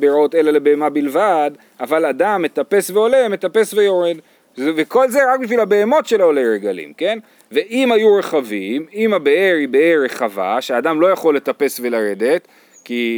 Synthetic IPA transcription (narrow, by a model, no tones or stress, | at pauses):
beɾao̞te̞lalebeemabilvad | avaladamːe̞t̪ape̞sve̞o̞leme̞t̪ape̞svejo̞ɾe̞d | zveko̞lzeʁak̚biʃ̬vilabe̞ːmo̞tʃe̞laolejɾeɡalḭmke̞n | ve̞ʔimajuʁe̞χavimimabeeɾibeeɾeχava̰ʃeadamlo̞jaχo̞lːe̞t̪ape̞sve̞laɾe̞d̪e̞t̪ | ki